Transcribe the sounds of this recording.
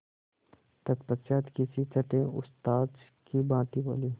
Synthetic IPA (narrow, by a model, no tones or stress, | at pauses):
t̪ət̪pətt͡ʃaːt̪kisit͡ʃəʈẽʊ̰st̪aːd̪ | kibãːt̪ibo̰ːliː